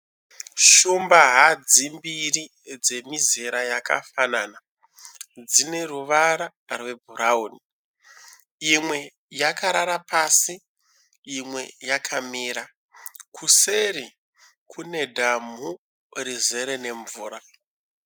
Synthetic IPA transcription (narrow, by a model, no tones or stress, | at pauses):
ʃumbaɦad͡zimbiri | d͡ze̞mizeɾajaka̰fanaːna | d͡zine̞ruʋaɾa | rwe̞bʱuɾaoːni | imwe̞ | jakaɾaɾapasiː | mwe̞jakʰamiːɾa | kʰuseɾi | kʰune̞dʱam̤u | rize̞ɾene̞ɱvuːɾa